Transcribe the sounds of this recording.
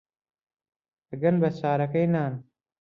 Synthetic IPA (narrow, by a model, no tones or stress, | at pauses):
ɐɡɐnbɐsaːɾɐkɐjnaːn